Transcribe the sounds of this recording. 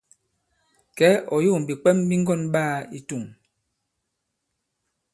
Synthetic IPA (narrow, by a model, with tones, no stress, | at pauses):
kɛ˨˦ɔ˨jo˦˨m̩˨bi˨k͡pɛ˦mbi˦ŋ˦ɡɔ˦˨nɓaː˦˨i˨tu˦˨ŋ